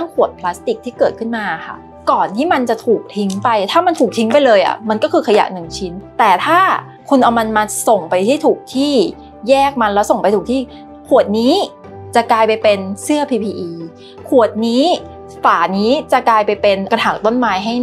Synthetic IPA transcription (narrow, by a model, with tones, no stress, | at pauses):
a˥˩ŋkʰu˨˩ət̪̚pʰlaː˦˥st̪i˨˩k̚t̪ʰiː˥˩kɤː˨˩t̪̚kʰɯ˥˩nmaː˧a˨˩xʰa̰˥˩ | kɔː˨˩nt̪ʰiː˥˩ma˧nt͡ɕa˨˩t̪ʰuː˨˩k̚t̪ʰi˨˦ŋpa˧jt̪ʰaː˥˩ma˧nt̪ʰuː˨˩k̚t̪ʰi˨˦˥ŋpa˧jlɤː˧jʔa̰˨˩ma˧nkɔː˥˩kʰɯː˧kʰa˧ja̰˨˩nɯ˨˩ŋt͡ɕʰi˦˥nt̪ɛː˨˩t̪ʰaː˥˩ | kʰu˧nʔa˧wma˧nmaː˧so˨˩ŋpa˧jt̪ʰiː˥˩t̪ʰuː˨˩k̚t̪ʰiː˥˩ | jɛː˥˩k̚ma˧nlɛː˦˥wso˨˩ŋpa˧jt̪ʰuː˨˩t̪ʰiː˥˩ | kʰu˨˩ət̪̚niː˦˥ | t͡ɕa˨˩kaː˧jpa˧jpe˧nsɯ˥˩ɐpʰiː˧pʰiː˧ʔiː˧ | kʰu˨˩ət̪̚niː˦˥ | faː˨˩niː˦˥t͡ɕa˨˩kaː˧jpa˧jpe˧nka˧nʰaː˨˩ŋ̚t̪o˥˩nmaː˦˥jɦa˥˩j